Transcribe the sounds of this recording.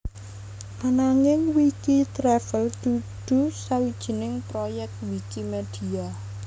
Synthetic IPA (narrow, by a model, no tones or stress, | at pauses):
manaŋɪŋwikit̪ɾɛfəld̪̥ud̪̥ṳsawid̥ʒ̥i̤nɪŋpɾojɛk̚t̪̚wikimed̥i̤a